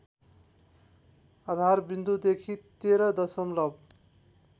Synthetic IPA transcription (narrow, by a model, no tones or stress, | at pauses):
ʌd̪ʱarbind̪ud̪ekʰit̪eɾʌd̪ʌsʌmlʌb̚